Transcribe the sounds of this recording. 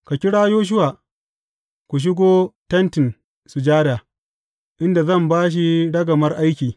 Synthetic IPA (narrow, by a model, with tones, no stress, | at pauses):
ka˨kʲɪ˦ɽaː˦joː˦ʃ̬ʊ˦waː˨ | kʷu˨ʃ̬ɪ˦ɡʷoː˦tɐ˦ntɪ˨n | su˨d͡ʒaː˦daː˨ | ʔɪ˦nda˨zɐ˦˨mbaː˦ʃ̬i˦ɽɐ˦ɡɐ˨mɐ˦rʔa˦jkʲiː˨